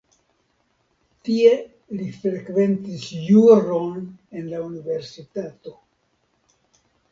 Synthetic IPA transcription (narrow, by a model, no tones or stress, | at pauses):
tie̞ | lifɾe̞kve̞ntisjuɾone̞nlaunive̞ɾsitato̞